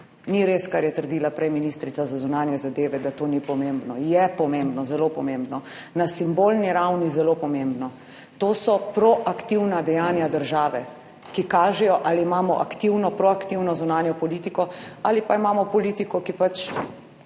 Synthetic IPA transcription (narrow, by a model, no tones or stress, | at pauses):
niɾeskaɾjɛt̪əɾd̪iːlapɾɛjminist̪ɾit̪sazazunaːnjɛzad̪eːʋɛd̪at̪oːnipɔmembnɔjɛpɔmembnɔzɛlopɔmembnɔ | nasimbolniɾawnizɛlopɔmembnɔ | t̪oːsɔpɾɔʔakt̪iwnad̪ɛjaːnjad̪əɾʒaːʋɛ | kikaːʒɛjɔʔaliːmaːmɔʔakt̪iwnɔpɾɔakt̪iwnɔzunaːnjɔpɔlit̪ikɔalipaimaːmɔpɔliːt̪ikɔkipat͡ʃ